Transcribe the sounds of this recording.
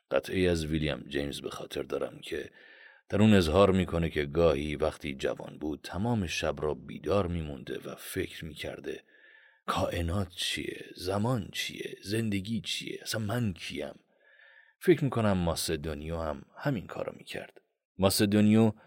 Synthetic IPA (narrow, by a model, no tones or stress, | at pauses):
ɢ̥æ̰t̪ʰʔejæzvilijæ̰md͡ʒejmzbe̞xɒːt̪ʰe̞ɾd̪ɒːɾæ̰mcʰe̞ | d̪̥æɾune̞zhɒːɾmiːkʰo̞ne̞cʰe̞ɡɒːhiːvæχt̪ʰiːd͡ʒæ̰vɒ̰ːnbuːd̪̥̚t̪ʰæmɒːmeʃæbrɒːbḭːd̪ɒːɾmiːmund̪e̞̰væ̰fe̞cʰɾmiːcʰæ̰ɾd̪e̞ | kʰɒːʔe̞nɒːt̪ʰt͡ʃʰḭjḛzæmɒːnt͡ʃʰḭːjḛze̞nd̪e̞ɟʲiːt͡ʃʰḭje̞̰ʔæsænmæncʰijæ̰m | fecɾmiːkʰo̞næmːɒsed̪onijoːhæmhæminkʰɒ̰ːɾɒ̰mḭːcʰæ̰ɾd̪̥ | mɒsed̪onijo